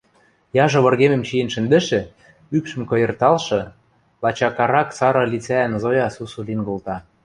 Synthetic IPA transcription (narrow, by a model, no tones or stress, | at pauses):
jɑʒɤ̆βɤ̆rɣemĕmt͡ɕijə̆nʃɘ̆nd̪ɘ̆ʃĕ | ypʃɘ̆mkɤ̆jɤ̆rt̪ɑlʃɤ̆ | lɑt͡ɕɑkɑɾɑksɑɾɤ̆lit͡sæænzojɑsusulinɡolt̪ɑ